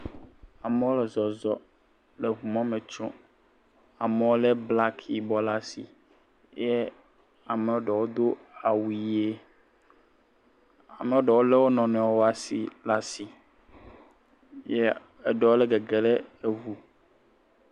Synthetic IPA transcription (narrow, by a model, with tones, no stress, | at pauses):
a˨me˦wo˦lɛ˨zɔ˨zɔ˨ | le˨βu˨mã˦mẽ˨t͡ʃɔ̰̃˦ | a˨me˨wo˦lɛ˦bla˦kʰi˨bɔ˦la˦sḭ˨ | jɛ˦ | a˨me˨wo˦ɖɛ˨wo˦d̪o˦ | a˨wu˨˦e˦ | a̰˨mẽ˨wo˦ɖɛ˨wo˦le˦wo˦nɔ̃˨nɛ̃˨wwo˦a˨sḭ˨la˦si˨ | je˦ | e˦ɖɔ˨wo˦lɛ˦ɡe˨ɡe˨le˦e˦vu˨